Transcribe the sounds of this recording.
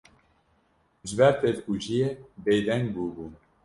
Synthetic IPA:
ʒɨbɛɾpʰelkud͡ʒijebejd̪ɛŋɡ̚buːbuːn

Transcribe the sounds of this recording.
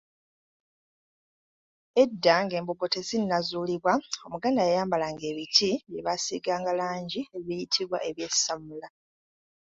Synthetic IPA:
e̞dːaŋɡe̞ːmbubotesinnazuːliβwao̞muɡaːndajajaːmbalaŋɡe̞ːβitʰiβjeβasḭɡaːŋɡalaːɲɟieβijitʰiβwaʔe̞βjesamula

